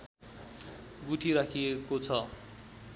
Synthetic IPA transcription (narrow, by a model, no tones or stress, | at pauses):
ɡuʈʰiɾakʰiekot͡sʰʌ